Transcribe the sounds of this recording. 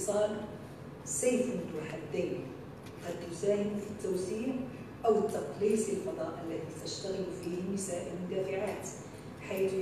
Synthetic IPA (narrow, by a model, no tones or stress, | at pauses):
sˤɑːl | seːfmʊnt̪uħad̪ːajn | qɑd̪t̪ʊsaːhɪmfit̪ːawsiːʕ | ʔawət̪ːɑqliːsˤɪlfɑd̪ˤɑːʔəlːæðit̪ɪʃt̪aɣɪlfihmɪsaːʔɪlmʊd̪aːfɪʕaːt̪ | ħaːθ